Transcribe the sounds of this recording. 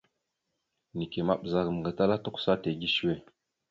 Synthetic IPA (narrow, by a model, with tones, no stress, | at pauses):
ni˨ke˨ma˨ɓza˨km˨ɡa˨ta˦la˦to˦ksa˦te˨ɡi˦ʃu˦we˦˨